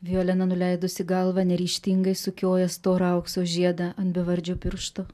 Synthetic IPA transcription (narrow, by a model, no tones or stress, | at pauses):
ʋʲijoːlʲɛnɐnʊlʲɛɪd̪ʊsʲɪɡɐlˠʋɐnʲɛɾʲiːʃʲt̪ʲɪŋɡɐɪsʊkʲoːjɛst̪oːɾɐʊksoːʒʲiɛd̪ɐɐnt̪bʲɪʋɐɾʲd͡ʒʲopʲɪɾʃt̪oː